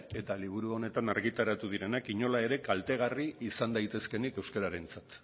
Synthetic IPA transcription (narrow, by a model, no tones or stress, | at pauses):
e̞t̪aliβ̞uɾuo̞ne̞t̪anaɾɣit̪aɾat̪uð̞iɾe̞nakiɲo̞lae̞ɾe̞kalt̪eɣariisand̪ajt̪e̞ske̞nike̞wskaɾaɾe̞nt͡sat̪